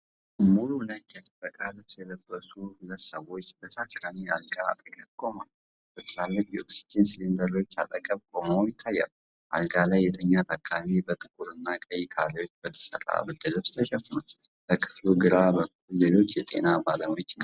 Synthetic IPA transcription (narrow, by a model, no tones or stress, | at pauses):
mːulunətːjat̪ʼɨbəkʼalɨβsjɛləbəsuhulət̪səwo̞t͡ʃːbət̪ʰakʰːamialɡa̰ːt̪ʼəkʼəkʼo̞mal | b̥ət̪ʰɨlalːɨkʼjɛoksi̥d͡ʒɪnslind̪əɾo̞t͡ʃːat̪ʼəkʼəβkʼomojɪt̪ʰːajːa̰l | ʔa̰lɡalajːɛt̪ʰəɲːat̪ʰakʰʼːamibət̪ʼɨkʼuɾɨnːakʼəjɪkʰaleo̞t͡ʃːbət̪ʰə̥sə̰ɾa̰bəd̪əzəβst̪ʰəʃɛfnab̥əkʰɨ̥fluɡɨɾabəkʰɨːfullelo̞t͡ʃːjɛt̪ʼe̞̰nabaləmo̞t͡ʃːɪna